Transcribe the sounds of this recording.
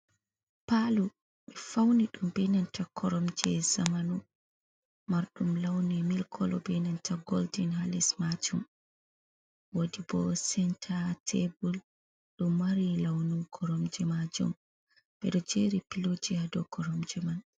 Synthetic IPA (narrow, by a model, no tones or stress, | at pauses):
palu | ɓɛfawniɗumbɛnantakʰɔɾɔmd͡ʒɛzamanu | maɾɗumlawnɛmilkʰɔlɔbɛnantʰaɡoldinhalismad͡ʒum | wodibɔsɛntʰatʰebul | ɗumːaɾilawnukʰɔɾɔmd͡ʒɛmad͡ʒṵm | ɓɛ̰ɗɔd͡ʒeɾipilod͡ʒihadɔkɔɾɔmd͡ʒɛman